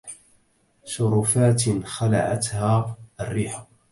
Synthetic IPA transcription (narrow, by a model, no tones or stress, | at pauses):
sʊɾʊfaːt̪xala̰ʕat̪haːʔarːiːħa